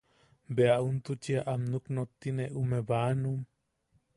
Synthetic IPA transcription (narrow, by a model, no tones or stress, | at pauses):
beaʔunt̪ut͡ʃiaʔamnuknot̪ːineʔumeβaːnum